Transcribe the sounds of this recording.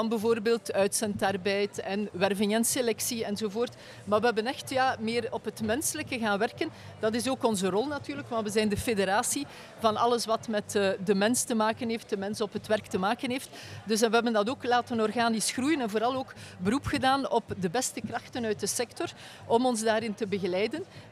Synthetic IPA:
ɑnbəvoːrbeːlˠtœɥtsɛntarbɛjtɛnʋɛrvɪŋɛnselɛksiɛnzoːvoːrt | maːʋəɦɛbənɛxtjaːmɪːrɔpɦətmɛnsələkəɣaːnʋɛrkən | d̥ɑtɪsoːkɔnzərɔlˠnatyːrləkʋɑntwəzɛjndəfedeɾaːsi | vɑnɑ̰ləsʋɑtmɛtədəmɛnstəmaːkənɦeːft̚dəmɛnsɔpɦətʋɛrktəmaːkənɦeːft | dɵs̬ɛnʋəɦɛbəndɑtoːklaːtənɔrɣaːnisxrujənɛnvoːɾɑlˠoːkbəɾupxədaːnɔpdəbɛstəkrɑxtənœɥt̚dəsɛktɔr | ʔɔmɔnzdaːɾɪntəbəɣəlɛjdən

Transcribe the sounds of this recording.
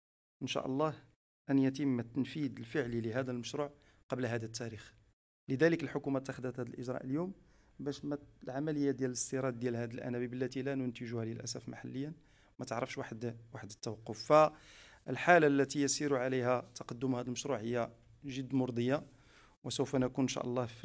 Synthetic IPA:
ʔənʃæ̰ʔlˤːɑh | ʔənjæt̪̬əmːt̪ːənfid̪əlfəʕliləɦæd̪ælməʃɾuʕ | qɑblɦæd̪æt̪ːæɾix | ləd̪æləkəlħʊkumæt̪ːaxd̪ːæt̪hæd̪əlʔəʒɾˤɑ̰ʔəljum | bæʃmælʕamæləjːad̪jælələst̪iɾˤɑd̪̚ːjælhæd̪əlʔæ̰næbibəlːæt̪ilænʊnt̪əʒuhælilʔæ̰sæfmaħalːəjːæn | mæt̪əʕɾˤɑfʃwaħd̪waħəd̪ət̪ːæwɑqːofːæʔəlħalalːæt̪ijəsiɾuʕalihæt̪ɑqɑd̪ːʊmhæd̪əlməʃɾuʕhəjːæ | ʒəd̪ːmʊɾd̪ˤəjːa | wəsəwfænækunʃæ̰ʔəlˤːɑhf

